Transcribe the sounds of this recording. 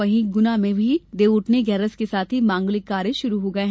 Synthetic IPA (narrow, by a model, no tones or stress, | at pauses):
ɐɦĩɡʊnamẽbʱid̪eːʊʈneɡɛːɾəskesaːt̪ʰɦimãːŋɡlɪkːaːɾjeʃʊɾuɦoɡɐeɦ